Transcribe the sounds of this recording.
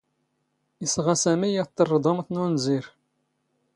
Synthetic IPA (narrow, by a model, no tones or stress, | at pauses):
isʁɑsæmijət̪ːərˤːd̪ˤomθnunziɾ